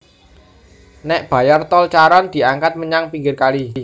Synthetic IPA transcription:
nɛʔb̥ä̤jart̪ɔlt͡ʃaɾɔnd̪̥i̤aŋkat̪̚məɲaŋpiŋɡɪrkali

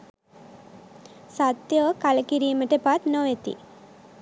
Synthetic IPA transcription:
sat̪ːjoːkɐlɐkiɾiməʈepat̪noːjet̪ḭ

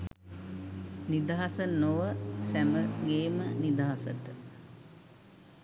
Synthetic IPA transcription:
nid̪aɦasənoʋəsæməɡeːmənid̪aɦasəʈə

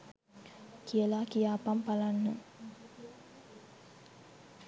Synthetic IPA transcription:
kijəlakijaːpampalanːə

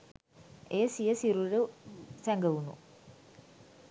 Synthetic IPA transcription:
eːsijəsiɾulusæŋɡəʋunṵ

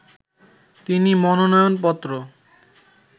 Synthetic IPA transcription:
t̪inimɔnonɔjonpɔt̪ːɾo

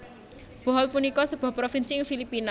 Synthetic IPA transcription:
b̥ɔ̤ɦɔlpunikɔsəb̥a̤pɾofinsiɪŋfilipina

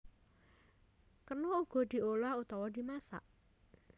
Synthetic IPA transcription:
kərnɔuɡ̥ɔ̤d̪̥i̤olahut̪ɔwɔd̪i̤masa̰ʔ

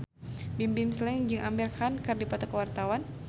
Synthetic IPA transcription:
bimbimslɛŋd͡ʒɨŋʔambirkʰankɨrdipat̪akəwart̪awan

